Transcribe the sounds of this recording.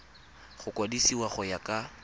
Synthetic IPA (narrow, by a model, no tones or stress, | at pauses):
χʊkʼwadisiwaχɔjakʼa